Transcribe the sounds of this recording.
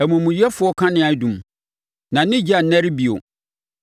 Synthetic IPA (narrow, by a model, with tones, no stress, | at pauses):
ɛ˨mũ˨mũ˨jɛ˦fʊ˨˦ɔ˦kʰã˦nɪ̃˨˦a˨˦dũ˨m | nã˨n̩˦nɪ̃˦d͡ʑi˦a˨n̩˨nɛ̃˦ɾɪ˦bi˨o̰˨